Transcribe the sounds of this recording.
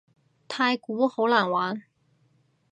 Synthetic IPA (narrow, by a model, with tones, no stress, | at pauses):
t̪ʰa˥ɪku˧˥xo˧˥ʊla˨˩nwa˧˥n